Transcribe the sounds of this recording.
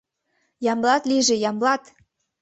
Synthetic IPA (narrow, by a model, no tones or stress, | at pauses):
jɑmlɑt̪liʒĕjɑmblɑt̪